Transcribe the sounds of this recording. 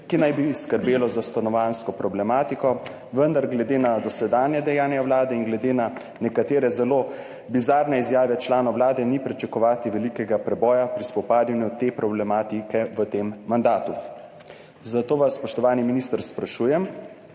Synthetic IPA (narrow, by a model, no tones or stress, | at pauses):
kinajbiskəɾbeːlɔzast̪anɔʋanskɔpɾɔblɛmaːt̪ikɔ | ʋənd̪aɾɡlɛd̪eːnad̪ɔsɛd̪aːnjɛd̪ɛjaːnjawlaːd̪ɛinɡlɛd̪eːna | nɛkat̪eːɾɛzɛloː | bizaːɾnɛizjaːʋɛt͡ʃlaːnɔwlaːd̪ɛnipɾit͡ʃɛkɔʋaːt̪iʋɛlikɛɡapɾɛbɔːjapɾispɔpaːd̪janjut̪epɾɔblɛmaːt̪ikɛʋət̪eːmːand̪aːt̪u | zat̪oːʋasːpɔʃt̪ɔʋaːniminist̪əɾspɾaʃuːjɛm